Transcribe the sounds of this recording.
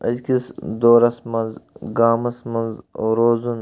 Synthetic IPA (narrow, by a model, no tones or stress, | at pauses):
ɐ̰zkisd̪oːɾɐsmɐnzɡaːmɐsmɐnzɾoːzun